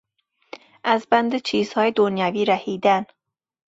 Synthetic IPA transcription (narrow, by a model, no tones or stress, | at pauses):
azband̪et͡ʃʰiːz̥hɒjed̪onjaviːɾahid̪an